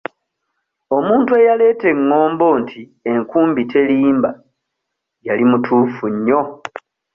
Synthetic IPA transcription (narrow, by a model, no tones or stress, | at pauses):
o̞muːntue̞jale̞ːte̞ŋːo̞ːmbo̞ntʰie̞ŋkuːmbitʰe̞liːmba | jalimutʰuːfuɲːo̞